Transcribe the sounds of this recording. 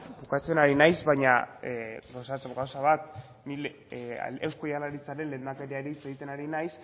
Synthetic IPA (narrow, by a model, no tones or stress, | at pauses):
bukat͡se̞naɾinajzβaɲa | ɣawsat͡sɣawsaβat̪ | nil̰ | ewsko̞jalaɾit͡saɾe̞nlend̪akeɾiaɾit͡seɣit̪e̞naɾinajs